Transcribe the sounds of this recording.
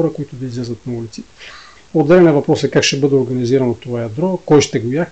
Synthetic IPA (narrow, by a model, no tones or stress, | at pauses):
ɔɾəkoit̪ʊd̪ɐizlʲɛzət̪nɐulit̪si̥ | od̪ːɛlɛnɐvɐpɾɔsɐkakʃɛbɤd̪ɛoɾɡɐniziɾɐnot̪ovajɐd̪ɾɔkɔjʃt̪ɛɡʊjak